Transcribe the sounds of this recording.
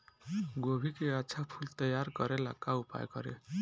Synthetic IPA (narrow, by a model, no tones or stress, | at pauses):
ɡobʱikeatːsʰapʰult̪ʌjaɾɡʌɾela̰kːaupa̰jkʌ̰ɾḛ